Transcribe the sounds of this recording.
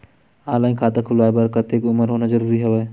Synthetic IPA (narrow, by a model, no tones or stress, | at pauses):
aːlaːĩkʰaːt̪akʰʊlaːjbəɾkɐt̪eːkʊməɾɦoːnazɐɾuːɾiɦɛʋeː